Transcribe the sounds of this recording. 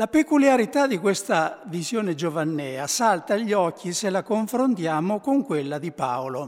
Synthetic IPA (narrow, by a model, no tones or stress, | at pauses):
lapekuljaɾit̪ad̪ikwest̪avizjoːned͡ʒovanːɛːasalt̪aʎːɔkʰːiselakoɱfɾont̪jaːmokoŋkwelːad̪ipa̰olo